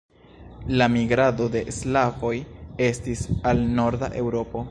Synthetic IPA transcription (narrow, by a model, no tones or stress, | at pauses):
lamiɡɾado̞de̞slafo̞je̞stisalno̞ɾda̰ʔe̞wɾo̞po̞